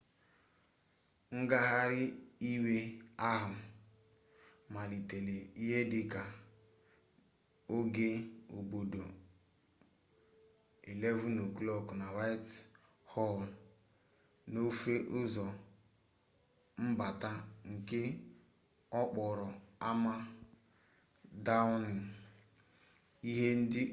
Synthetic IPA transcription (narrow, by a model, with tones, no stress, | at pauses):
ŋ̩˦ɡa˦ɦa˦ɾɪ˦i˦we˦a˦ɦa˨m̩˨ | ma˨li˨te˨le˨i˦ɦe˦dɪ˦ka˨ | o˦ɡe˦o˨bo˨do˨ | e˨le˦vu˦no˨ku˦lɔ˦kna˨wa˦jt | hɔ˦l | no˦fe˦ʔʊ˦zɔ˨ | m̩˦ba˨ta˦ŋ̩˨kɪ˦ | ɔ˦k͡pɔ˨ɾɔ˨a˦ma˦ | da˦ʊ˦nɪ˨ | i˦ɦe˦n̩˦dɪ˦